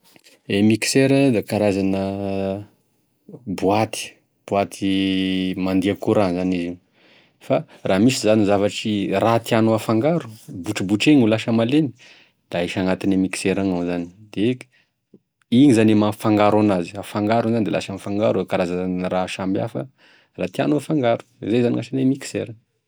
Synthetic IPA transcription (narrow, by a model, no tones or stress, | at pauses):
emikseɾəd̪ekaɾazanə | buat̪i̥ | b̥uat̪ʰi | mand̪iakuɾanzaniziw | faramisizanizavaʈ͡ʂirat̪ianoafaŋɡaɾu̥buʈ͡ʂibuʈ͡ʂeɲulaʃəmaleni̥ | d̪̥aiʃaŋat̪inemiki̥seɾaŋazani̥d̪̥e | iɲizanemafaŋɡaɾanazi̥afaŋɡaɾunzanid̪elaʃamifaŋɡa̰ɾuekaɾazaanraʃambia̰fə | rat̪ianoafaŋɡaɾu̥zejzaniŋaʃanemiki̥sḛɾa